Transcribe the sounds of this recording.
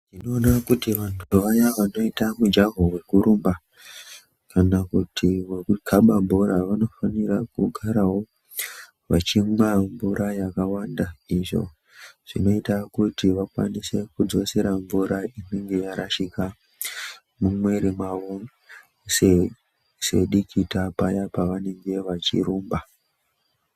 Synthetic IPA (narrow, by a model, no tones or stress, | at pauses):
nino̞ːnakutiʋantʰuuʋajaʋano̞itamud͡ʒaɦowe̞kuɾumba | kanakutiwe̞kukʰaɓambuɾaʋano̞fanirakuɡʱaɾawo̞ | ʋa̰t͡ʃimwamvuɾʔajakawandaiʐo̞̰ | ʐ̥ino̞itakutiʋakwa̰nise̞kud͡zo̞se̞ɾaɱvuɾaineŋɡe̞jaɾaʃika | mumwe̞ɾimaʋo | se | se̞ɗikʰitapajapaʋane̞ŋɡe̞ʋat͡ʃḭɾuːmba